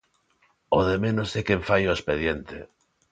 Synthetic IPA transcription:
oðemẽnosekeɱfajoespeðjent̪e

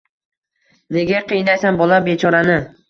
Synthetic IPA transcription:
neɡʲaqʰɨjnajsanbɒlabe̞t͡ʃʰɒɾanɪ

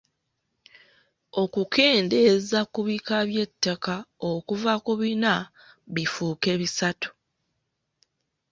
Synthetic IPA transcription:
o̞kukʰe̞ːnde̞zakuβikaβje̞tːakaokuvakuβina | βifuːke̞βisatu̥

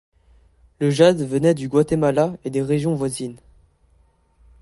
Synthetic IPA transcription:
ləʒad̪vənɛd̪yɡwat̪emalaed̪eʁeʒjɔ̃vwazin

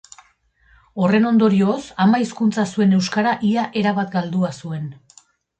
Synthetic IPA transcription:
o̞re̞no̞nd̪o̞ɾio̞samaiskunt͡sasue̞ne̞wskaɾaʔiaʔe̞ɾaβat̪ɡald̪uasue̞n

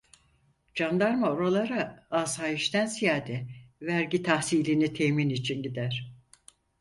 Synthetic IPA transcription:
d͡ʒand̪aɾmaoɾalˠaɾaaz̥hajiʃt̪ænsijaːd̪ɛvæɾɟit̪ʰahsiːlʲinit̪ʰejminit͡ʃʰinɟid̪æɾ̥

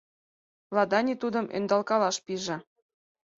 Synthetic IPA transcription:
lɑd̪ɑnʲit̪ud̪əmʔḛnd̪ɑlkɑlɑʃpiʒĕ

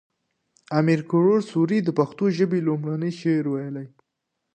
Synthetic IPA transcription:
amiɾkʊɽoɾsuɾid̪əpaxt̪oʒəbelomɽanəjʃeɾwajəlaj

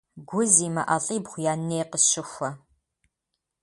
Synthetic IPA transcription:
ɡʷʊziːmɐʔɐɬʼiːbχʷʊjaːneːqəɕɪxʷɐ

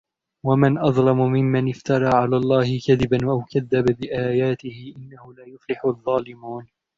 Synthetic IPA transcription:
wamɪnʔɑðˤlɑmʊmɪmːanɪft̪ɑɾˤɑːʕalaːlˤːɑːhɪkaðɪbanwaʔawkaðːababɪʔaːjaːt̪ɪhɪʔɪnːahʊlaːjʊflɪħʊðˤːɑːlɪmuːn

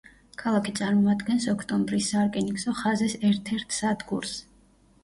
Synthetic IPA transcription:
kʰalˠakʰit̪sʼaɾmɔad̪ɡɛnsɔkʰt̪ʼɔmbɾisːaɾkʼɛnikʼsɔχazɛsɛɾt̪ʰɛɾt̪ʰsad̪ɡṵɾs

